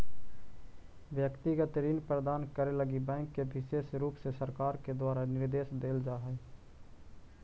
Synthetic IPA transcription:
ʋjəkt̪ɪɡət̪ɾiːnpɾəd̪aːnkəɾeləɡibɛ̃ːŋkːebʱɪʃeːʃɾuːpsesəɾkaːɾked̪waːɾanɪɾd̪eːʃd̪eːld͡ʒaːɦɛe

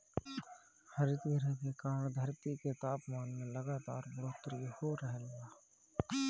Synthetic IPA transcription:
həɾɪt̪iɾɛɦkekaːɳd̪ʱəɾt̪iket̪aːpmaːnmẽləɡaːt̪aːɾbɾoːt̪ɾihoɾəɦelɡaː

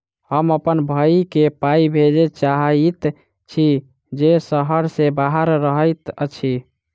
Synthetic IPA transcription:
həməpənbʱəikepaibʱed͡ʒet͡ʃaɦit̪ | t͡ʃʰi | d͡ʒesəɦəɾsebaɦəɾɾəɦəjt̪ət͡ʃʰi

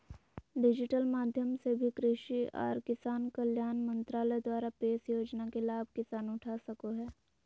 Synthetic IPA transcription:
ɖɪd͡ʒɪʈəlmaːd̪ʱjəmsebʱikɾɪʃiɔ̰ːɾkɪsaːnkəljaːnmə̃nt̪ɾaːləd̪waːɾapeːsjoːd͡ʒnakelaːbʱkɪsaːnʊʈʰasɐkoɦɛː

